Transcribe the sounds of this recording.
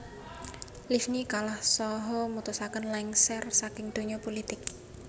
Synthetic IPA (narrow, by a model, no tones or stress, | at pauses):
lifnikalahsɔɦɔmut̪usakənlaŋsɛrsakɪŋd̪̥o̤ɲɔpolit̪ɪk̚